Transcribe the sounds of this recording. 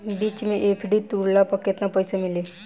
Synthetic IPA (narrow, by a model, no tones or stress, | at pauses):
biːt͡ʃmẽʔeːpʰɖit̪uɾulapɐkɪt̪napəjsamɪleː